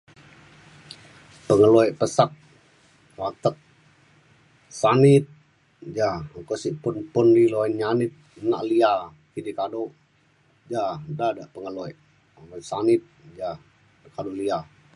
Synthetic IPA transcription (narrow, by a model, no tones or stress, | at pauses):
pəŋəloɛʔpəsak̚ | wat̪ək̚ | sanɪt̪̚ | d͡ʒaəŋkoʔsiʔpʊnpʊndiloinɲanɪt̪̚na̰ʔlia | kidikado | d͡ʒadadaʔpəŋəloɛʔ | masanɪt̪̚d͡ʒa | kadolia